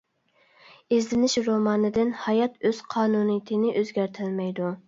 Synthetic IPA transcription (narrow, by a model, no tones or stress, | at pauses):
ezlɪnɪʃɾomɑːnɨd̪ɪnhɑjɑt̪øz̥qʰɑːnunɨjit̪ʰɪnɪʔøzɡʲæɾt̪ʰɪlmɛjd̪u